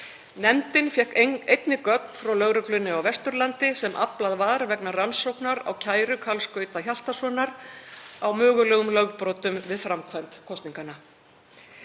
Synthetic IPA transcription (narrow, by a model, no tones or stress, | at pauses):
nɛmt̪ɪnfjɛhkejt̪nɪkœt̪n̥fɾawlœɣɾʏklʏnʏawvɛst̪ʏɾlant̪ɪsɛmʔa̰plaðvaːɾvɛknaransowknaɾa̰wcʰaːjɾʏkʰalskœːɥt̪açal̥t̪asɔːnaɾ | awmœːɣʏlɛːɣʏmlœɣpɾɔːt̪ʏmvɪðfɾamkʰvant̪kʰɔst̪niŋkana